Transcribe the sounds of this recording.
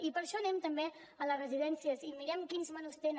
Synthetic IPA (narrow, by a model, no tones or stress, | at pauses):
ipəɾʃɔnɛmt̪əmbe | ələrəziðɛnsiəzimiɾɛmkinzmanust̪en